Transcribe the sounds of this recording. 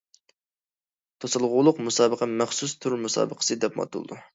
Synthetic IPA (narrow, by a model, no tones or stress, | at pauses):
t̪ʰosɨlˠʁʊːlˠʊqmusɑːbəqʰəmæχsust̪ʰuɾmusɑ̰ːbəqʰə̥sɨd̪ɛpmɑ̰t̪ʰṵlˠd̪u